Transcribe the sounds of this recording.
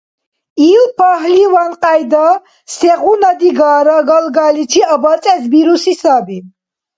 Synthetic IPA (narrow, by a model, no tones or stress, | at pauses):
iːlpʰaɦlivanqʼajd̪a | sɛʁunad̪iɡaːɾaɡalɡalit͡ʃʰiabat͡sʼɛsbiɾusisabi